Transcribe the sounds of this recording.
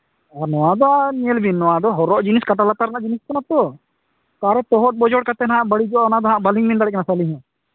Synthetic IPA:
aɾnɔwad̪ɔanijəlbinːɔwad̪ɔɦɔɾɔʔd͡ʒiniskaʈalat̪aɾnaʔd͡ʒinisk̪ɔnat̪ɔ | k̪aɾɛt̪ɔɦɔʈ̚bɔd͡ʒɔɽkat̪ɛnaaʔbəɽid͡ʒɔanad̪ɔɦaaʔbaliŋbind̪aɽɛknasaliɦɛ̃

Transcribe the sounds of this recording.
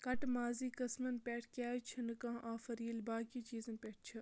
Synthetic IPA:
kɐʈmaːziːkɐsmɐnpʲeːʈʰkʲaːt͡ʃʰɐnɨkãːʔaːfɐɾiːlbaːkiːt͡ʃiːzɐnpʲeːʈ̚t͡ʃʰɨ

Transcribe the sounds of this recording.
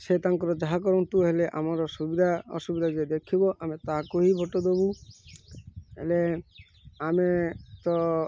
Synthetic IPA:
set̪aŋkɔɾɔd͡ʒ̪ɛɦakɔɾɔnt̪uɦeleʔa̰mɔɾɔsuid̪ʱaɔ̰subid̪ʱad͡ʒed̪ekʰibɔʔamet̪akoɦibʱɔʈod̪obu | ɦḛle | amet̪ɔ

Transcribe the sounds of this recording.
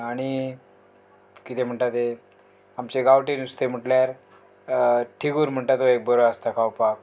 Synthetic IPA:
aɽ̃i | kit̪ʰem̤əɳʈt̪at̪e | amt͡ɕeɡawʈinust̪em̤əʈljaɾ | ʈʰiɡuːɾm̤əɳʈ̪at̪oek̚bəɾoast̪akʰawpa

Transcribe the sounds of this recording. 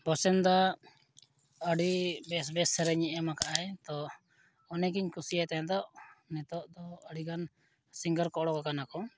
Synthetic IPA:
bɔsɛnd̪a | əɽibɛsbɛsɛɾɛɲɛʔɛmakaʔajt̪ɔː | nɛɡiɲkusijajt̪ajãd̪ɔʔnɛt̪ɔʔd̪ɔəɽiɡan | siŋɡəɾkɔʔɽɔkakanakɔ

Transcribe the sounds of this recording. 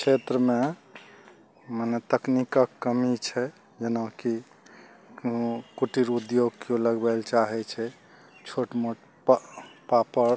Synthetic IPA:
kt͡ʃʰet̪ɾəme | mənet̪əknikakːəmit͡ʃʰɛ | d͡ʒenaki | kuʈiɾud̪joɡkjoləɡbɛlt͡ʃaɦɛt͡ʃʰɛ | t͡ʃʰoʈmoʈ | ppapəɾ

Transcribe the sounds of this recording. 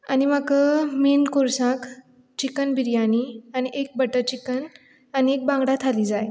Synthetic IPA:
añimakəminkoɾsãk | t͡ɕikənbʱiɾjaniañiʔek̚bəʈət͡ɕikən | aniek̚bãŋɡɽat̪ʰaliːd͡zaj

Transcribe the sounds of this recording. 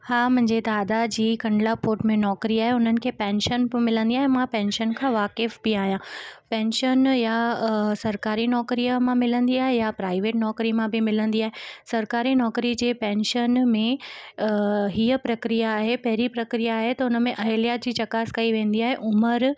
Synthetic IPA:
haːmʊ̃ɦɪ̃ɲd͡ʑed̪aːd̪ad͡ʑiːkɐ̃ɳɖlapoːɾʈmẽnɔːkɾiaːɦeʊn̤ənɪ̆kʰeːpɛ̃ːnʃənmɪlə̃nd̪iaːɦẽmãpɛ̃ːnʃənkʰãːʋaːkɪfbiaːɦijãpɛ̃ːnʃənjasɐɾkaːɾinɔːkɾijəmãmɪlə̃nd̪iaːɦejapɾaːɪʋeːʈnɔːkɾimãbɪmɪlə̃nd̪iaːɦesɐɾkaːɾinɔːkɾid͡ʑeːpɛ̃ːnʃənmẽ | ɦiːəpɾɐkɾijaːɦepɐɦɪɾipɾɐkɾijaːɦet̪ɐʊnə̆mẽʔɐɦelijad͡ʑiːt͡ɕɐkaːskɐiʋẽːn̆d̪iaːɦeʔʊməɾ

